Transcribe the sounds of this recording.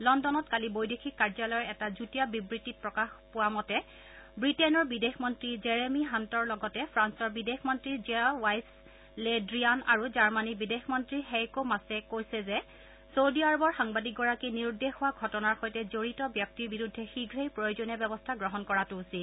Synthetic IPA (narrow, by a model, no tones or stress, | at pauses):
lɔndɔnɔtkalibojdexʰikːaɹzalɔjɔɛtazutiabibɹitit̚pɹɔkaxpʊwamɔtɛ | bɹitɛnɔɹbidexmɔntɹizeɹemiɦantɔɹlɔɡɔtɛpʰɹansɔɹbidexmɔntɹizɛwajs | ledɹiana̰ɹuzaɹmanibidexmɔntɹiɦɛkomasɛkojsɛzɛ | sowdiaɹɔbɔɹxaŋbadik̚ɡɔɹakiniɹdexʊwaɡʱɔtɔnaɹxɔjtɛzoɹitɔbjɔk̚tiɹbiɹudʱːɛxiɡʱɹejpɹɔjozonabɛbɔstʰaɡɹɔɦɔnkɔɹatuusil